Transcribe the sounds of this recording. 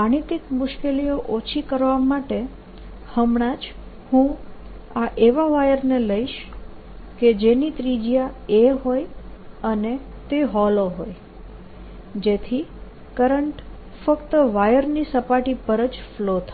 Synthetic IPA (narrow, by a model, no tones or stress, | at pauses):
aɽ̃it̪ɪkmʊʃkelijoʔot͡ʃʰikəɾʋamaʈe | həmɳ̃ad͡ʒ | hũ | aʔeʋaʋajəɾneləiʃ | ked͡ʒenit̪ɾid͡ʒjaeɦojəne | t̪eɦɔloɦoj | d͡ʒet̪ʰi | kəɾəɳʈ | fəkt̪əʋajəɾnisəpaʈipəɾəd͡ʒflot̪ʰa